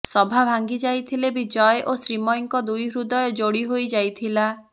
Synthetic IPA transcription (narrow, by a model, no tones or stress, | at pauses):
sɔbʱabʱaŋɡid͡ʒajt̪ʰilebid͡ʒɔjeʔosɾimɔjŋkɔd̪ujɦɾud̪ɔjɔd͡ʒoɽiɦojd͡ʒajt̪ʰila